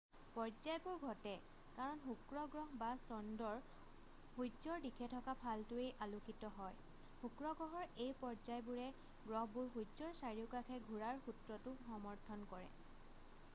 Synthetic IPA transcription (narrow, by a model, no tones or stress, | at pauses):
pɔɹzajbʊɹɡʱɔtɛ | kaɹɔnɦukɹɔɡɹɔɦbasɔndɔɹ | hujzɔɹdikʰɛtʰɔkapʰaltʊejʔalukitɔɦɔj | hukɹɔɡɹɔɦɔɹejpɔɹzajbuɹɛ | ɡɹɔɦbʊɹɦujzɔɹsaɹiʊkakʰɛɡʱuɹaɹxutɹɔtʊxɔmɔɹtʰɔnkɔɹɛ̰